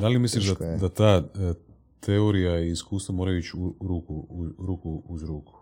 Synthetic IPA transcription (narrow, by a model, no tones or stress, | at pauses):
d̪alimisliʃd̪ad̪at̪aː | t̪eoɾijaiːskuːst̪ʋamoɾajuit͡ʃuɾuːkuɾuːkuuzɾuːku̥